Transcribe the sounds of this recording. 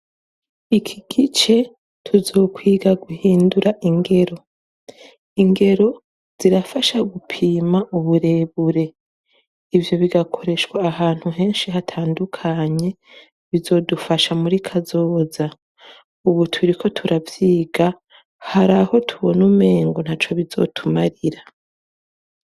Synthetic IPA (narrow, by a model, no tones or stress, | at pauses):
ikʰiɡ̥it͡ʃe̞ | tʰuzo̞ːkwiːɡaɡuhiːnduɾaʔiŋɡe̞ɾo̞ | iŋɡe̞ɾo̞ | z̥iɾafaʃaɡupʰiːmaʔuβuɾe̞βuɾe̞ | ivjo̞βiɡakʰo̞ɾe̞ʃwaːhaːn̥huɦe̞ːnʃiɦatʰaːndukʰaɲe̞ | βizo̞ːdufaʃamuɾikʰazo̞ːza | uβutʰuɾikʰo̞tʰuɾavjiːɡa | haɾaho̞tʰuβo̞nume̞ːŋɡon̥haːt͡ʃoβizo̰tʰumaɾiɾa